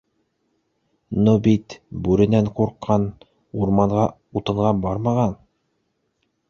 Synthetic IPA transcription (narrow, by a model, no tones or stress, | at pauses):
nubit̪bʉɾɘ̆næɴquɾqːɑn | uɾmɑɴʁɑ | ut̪ɤ̆ɴʁɑbɑɾmɑʁɑn